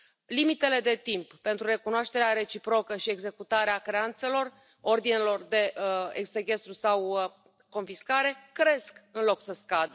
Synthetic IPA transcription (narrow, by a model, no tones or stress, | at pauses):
limit̪e̞le̞d̪e̞t̪impːe̞nt̪ɾure̞kunoaʃt̪e̞ɾeaɾe̞t͡ʃipɾo̞kəʃie̞ɡze̞kut̪aɾeakɾe̞ant̪se̞lo̞r | o̞rd̪inelo̞rd̪e̞ekseɡʲe̞st̪ɾusaw | kːo̞nfiskaɾe̞kɾe̞skɨnlo̞ksəskad̪